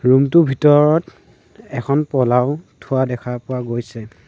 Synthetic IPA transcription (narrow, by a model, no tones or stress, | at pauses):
ɹumtʊbʱitɔɹɔt | ɛkʰɔnpɔlaʊtʰuwadɛkʰapʊwaɡojsɛ